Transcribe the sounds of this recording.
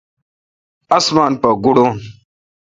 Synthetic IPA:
ɐsmaːnpɐɡuɽoːn

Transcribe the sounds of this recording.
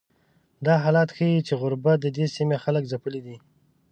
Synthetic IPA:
d̪ɑɦɑlɑt̪xəjit͡ʃeɣʊɾbad̪əd̪esimexaləkzapəlid̪i

